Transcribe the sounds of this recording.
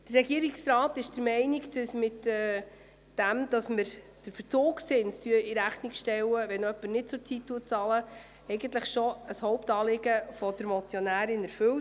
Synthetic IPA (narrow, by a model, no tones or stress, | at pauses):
d̥ərɛɡiəɾiksɾɑːtɪʃd̥əɾmɛɪniɡd̥əsmɪtɛ | d̥æmd̥ɑsməɾ | d̥əɾfəɾt͡soːksɪnstyəiɾæχnikʃtɛwəʋɛnœpːəɾnɪt̚t͡sʊt͡sitːuːət̚t͡sɑlə | ɛɪɡənt̪ləχʃɔəshɔwptɑːlɪɡəfɔd̥̪əɾmɔt͡sjɔnæːɾɪnɛɾfɵw